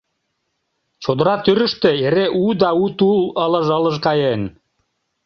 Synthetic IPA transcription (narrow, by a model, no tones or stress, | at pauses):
t͡ɕod̪ɤ̆ɾɑt̪yɾɘ̆ʃt̪ĕeɾeʔud̪ɑut̪ulˠɤ̆lˠɤ̆ʒɤ̆lˠɤ̆ʒqɑjen